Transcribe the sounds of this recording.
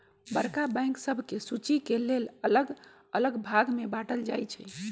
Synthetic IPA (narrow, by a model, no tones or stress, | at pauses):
bəɾkabɛ̃j̃ŋksəbʱkesut͡ʃikelelələɡ | ələɡbʱaɡmebaʈəld͡ʒajt͡ʃʰɛ